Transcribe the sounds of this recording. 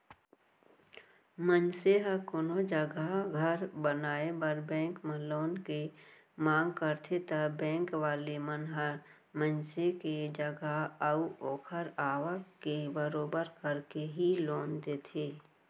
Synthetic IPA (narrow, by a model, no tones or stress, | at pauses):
mənseɦəkonod͡ʒəɡaɡʱəɾbənaːebəɾbɛ̃ːŋkmə̃loːnke | mãːŋɡkəɾt̪ʰet̪əbɛ̃ːŋkʋaːlemənɦə | mənseked͡ʒəɡaɦəuoːkʰəɾaːʋəkebəɾoːbəɾkəɾkeɦiloːnd̪eːt̪ʰeː